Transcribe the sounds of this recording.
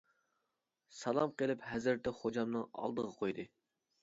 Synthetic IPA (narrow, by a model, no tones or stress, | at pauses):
sɑlˠɑmqelˠɪpɦɛzɾɪɾt̪ʰɛχod͡ʒɑmnɨŋɑ̰lˠd̪əʁɑqʰojd̪ɨ